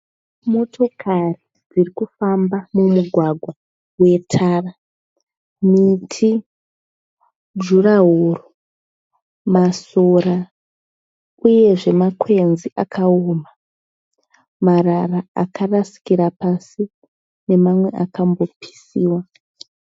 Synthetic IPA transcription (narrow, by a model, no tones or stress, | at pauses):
mo̞tʰo̞kʰari | d͡zirikufambamumuɡʱwaɡʱwa | we̞tʰaːra | mitʰi | d͡ʒuraɦoro | masoɾa | uje̞ʐe̞makwe̞nziʔakʰaoːma | mararaakarasi̥kiɾapasi | ne̞mamwe̞ʔakambo̞pʰi̥siːwa